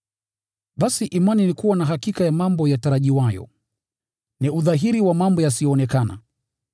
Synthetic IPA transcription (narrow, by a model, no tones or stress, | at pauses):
ɓasiʔimaninikuwanaɦakikajamambɔjataɾaʄiwajɔ̰ | niuðaɦiɾiwamambɔjasijɔːnɛkana̰